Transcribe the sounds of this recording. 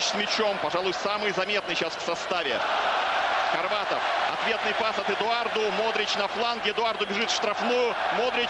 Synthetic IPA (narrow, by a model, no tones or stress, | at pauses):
t͡ɕsmʲɪt͡ɕompɐʐalˠʊjsamɨjzɐmʲe̞t̪̚nɨjɕasfsɐst̪avʲɪ̰ | xɐrvat̪əfɐ̰t̪vʲe̞t̪nɨjpasɐt̪ɨd̪ʊard̪ʊmod̪ɾʲɪt͡ɕnɐflˠanɡʲɪd̪ʊard̪ʊbʲɪʐɨt̪ʂt̪ɾɐfnujʊmod̪ɾʲɪ